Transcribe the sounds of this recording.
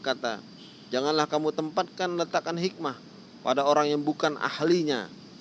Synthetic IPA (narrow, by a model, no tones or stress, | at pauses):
kat̪a̰ | d͡ʒaŋanlahkamut̪əmpat̪̚kanmlət̪akanɦik̚mah | pa̰daoɾaŋjaŋbukanʔa̰hliɲa̰